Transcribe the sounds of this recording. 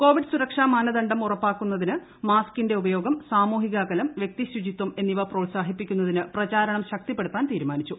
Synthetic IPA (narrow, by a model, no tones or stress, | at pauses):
ko̞ːʋiɖsuɾɐkʂaːmaːnɐðɐɳɖɐmurɐpːaːkːunːɐðinɨ | maːskinde̞ubɐjo̞ːɡɐmsaːmuːɦiɣaːkɐlɐmʋjek̚t̪iɕud͡ʑit̪ːwɐme̞nːiʋɐproːlsaːɦipːikʲːunːɐðinɨprɐt͡ɕaːɾɐɳɐmɕɐk̚t̪ipːeɽut̪ːaːnt̪iːɾumaːnit͡ɕːu